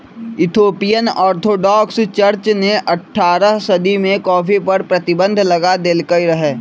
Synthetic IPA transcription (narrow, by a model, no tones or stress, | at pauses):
ɪt̪ʰoːpijənɔːɾt̪ʰoːɖɔːkst͡ʃəɾt͡ʃneʔɐʈʰːaːɾəɦsɐd̪ʱimẽkɔːfipəɾpɾɐt̪ɪbə̃nd̪ʱlɐɡad̪eːlkəiɾɐɦeː